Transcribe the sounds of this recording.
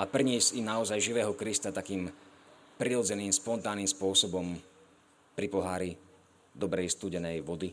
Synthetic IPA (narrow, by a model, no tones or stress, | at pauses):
ʔapr̩ɲiɛzinaɔzajʒiʋɛːɦɔkɾist̪at̪akiːmpɾiɾɔd͡zɛniːmspɔnt̪aːnːiːmspʊɔsɔbɔm | pɾipɔɦaːɾi | d̪ɔbɾɛist̪uːɟɛnɛjʋɔd̪i